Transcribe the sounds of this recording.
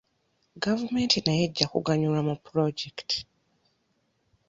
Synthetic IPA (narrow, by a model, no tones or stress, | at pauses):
ɡavume̞ntinajeɟːakṵɡaɲulamupɾoɟekti̥